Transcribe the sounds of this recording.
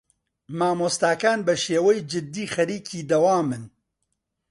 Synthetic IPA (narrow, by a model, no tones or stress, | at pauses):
maːmoːst̪aːkaːnbɐʃeːwɛjd͡ʒɨd̪ːiːxɐɾiːcʰiːd̪ɐwaːmɨn